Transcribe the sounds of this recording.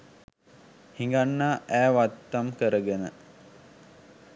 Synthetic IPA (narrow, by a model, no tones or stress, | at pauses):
hiŋɡanːaːʔæːʋat̪ːamkəɾəɡenə